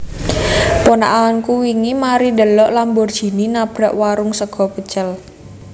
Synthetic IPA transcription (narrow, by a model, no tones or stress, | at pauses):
pona̰ʔaɔnkuwiŋimaɾidəlɔʔlambɔrd̥ʒ̥i̤ninab̥ɾa̤ʔwaɾʊŋsəɡ̥ɔ̤pət͡ʃəl